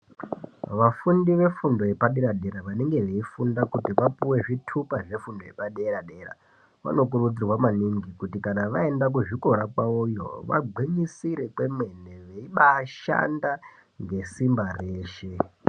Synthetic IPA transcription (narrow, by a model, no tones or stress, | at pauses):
ʋafundiʋe̞fundo̞je̞paɗeɾaɗe̞ɾaʋane̞ŋɡe̞ʋe̞ifundakutiʋapuwe̞ʐitʰupaʐe̞fundo̞je̞̰paɗeɾaɗe̞ra̰ | ʋa̰no̞k̬urut͡sirwamaniŋɡikutikanaʋae̞ndak̬uʐiko̞ɾakwaujo̰ʋa̰ɡ͡bʱweɲisiɾe̞kwe̞mwe̞ne̞ʋeiɓaʃa̰nda | ŋɡe̞simbare̞ːʃe̞